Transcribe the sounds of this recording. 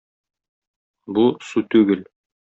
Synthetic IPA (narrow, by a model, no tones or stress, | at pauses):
busut̪ʉɡɘl